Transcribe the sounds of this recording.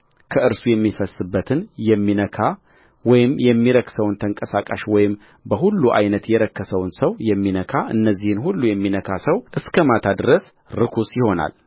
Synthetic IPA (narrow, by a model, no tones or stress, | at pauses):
kʰəʔɨɾsujɛmːifəsːɨbːət̪ʰɨnjɛmːinəkʰa | wɔjɪmjɛmːiɾəksəwnt̪ʰəŋkʼəsakʼa̰ʃwɔjɪm | bəhulːuʔa̰jnət̪jɛɾəkːəsəwnsəwjɛmːinəkʰaʔɨ̰nːəzːihɨnhulːujɛmːinəkʰasəwʔɨskʰəmat̪ʰad̪ɨɾəs | ɾɨkʰusjɪho̞na̰l